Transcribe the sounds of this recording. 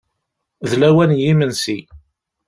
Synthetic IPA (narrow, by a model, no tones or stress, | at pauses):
ðlæwænjimənsi